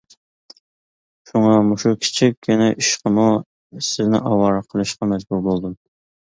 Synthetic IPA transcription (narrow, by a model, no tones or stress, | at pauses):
ʃuŋɑmuʃukʲʰi̥t͡ʃʰikʲːʰynɪʔiʃqəmu | sɪznɪ̰ʔɑwɑɾəqʰəlˠɨʃqɑmɛd͡ʒbuɾbolˠd̪um